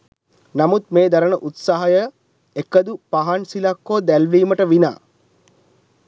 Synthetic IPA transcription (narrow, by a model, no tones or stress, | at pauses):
namut̪̚meːd̪aɾənəʔut̪saɦəjə | ekəd̪upaɦaɳsilakːoːd̪ælʋiːməʈəʋina̰ː